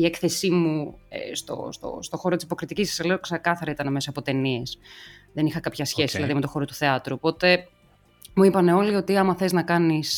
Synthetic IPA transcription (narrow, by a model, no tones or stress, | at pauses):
iekθe̞simṵst̪o̰st̪o̰st̪o̞xo̞ɾot̪isi̥po̞kɾit̪icisɐ̥sɐleoksekɐθɐɾɐit̪ɐnɐmesoɐpo̞t̪e̞nie̞sðe̞nixɐkɐpçɐsçe̞siðilɐðimet̪o̞xo̞ɾo̞t̪u̥θeɐt̪ɾuopo̞t̪e̞ | muipɐne̞o̞lio̞t̪iɐmɐθe̞znɐkɐnis